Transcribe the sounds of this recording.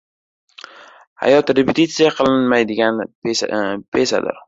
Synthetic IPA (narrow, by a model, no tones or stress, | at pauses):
ha̰jɒt̪ɾepɪt̪ʰit̪sɨjaqʰɨlˠɪnmajd̪ɪɡʲan | pʰesa̰d̪ɪ̰ɾ